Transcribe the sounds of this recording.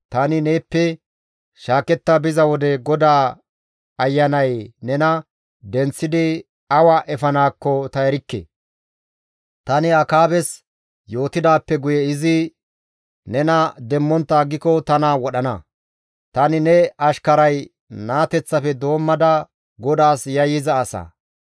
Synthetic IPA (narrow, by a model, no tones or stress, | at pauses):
t̪ɐnɪneːpːɛ | ʃaːkɛt̪ːɐbɪzɐwɔd̪ɛɡɔd̪aː | ɐjːɐnɐjnɛnɐ | d̪ɛnt͡sːɪd̪ɪ | ɐwɐʔɛfɐnaːkːɔt̪ɐɛɾɪkːḛː | t̪ɐnɪɐkaːbɛs | jo̞ːt̪ɪd̪aːpːɛɡʊjɛɪzɪ | nɛnɐd̪ɛmːɔnt̪ːaːɡɪkɔt̪ɐnawɔɗɐnɐ̰ | t̪ɐnɪnɛɐʃkɐɾɐj | naːt̪ɛt͡sːɐfɛd̪o̞ːmːɐd̪ɐ | ɡɔd̪aːsjɐjːɪzɐːsa̰ː